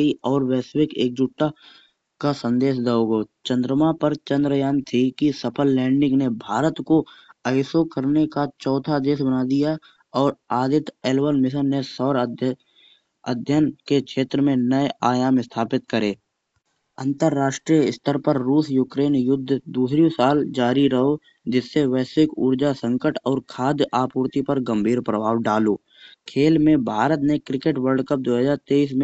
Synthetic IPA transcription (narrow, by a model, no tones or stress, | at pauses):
iɔːɾwɛːsʋɪkeːk̚d͡ʒʊʈːa | kasə̃nd̪eːʃd̪aːoɡoːt͡ʃə̃nd̪ɾəmapəɾt͡ʃə̃nd̪ɾəjaːnt̪ʰikisəpʰəlːɛ̃ːɳɖɪ̃ŋɡnebʱaːɾət̪koəɪsokəɾnekat͡ʃɔːt̪ʰad̪eːsbənaːd̪ija | ɔːɾaːd̪ɪt̪eːlʋəɾmɪs̬ənːesɔːɾ | ə̰d̪ʱjənkekʃʰeːt̪ɾəmẽnəeaːjaːmɪst̪ʰaːpɪt̪̚kəɾeː | ə̃nt̪əɾːaːʃʈɾijəɪst̪ʰəɾpəɾːuːsjuːkɾeːnjʊd̪ʱːd̪uːsɾijõsaːld͡ʒaːɾiɾəɦo | d͡ʒɪsːeʋɛːsɪkuːɾd͡ʒasə̃ŋkəʈɔːɾkʰaːd̪aːpuːɾt̪ipəɾɡə̃mbʱiːɾpɾəbʱaːwɖaːloː | kʰeːlmẽbʱaːɾət̪nekɾɪkeːʈwəɾɖkəp̚d̪oːɦəzaːɾt̪eːiːs̬mẽ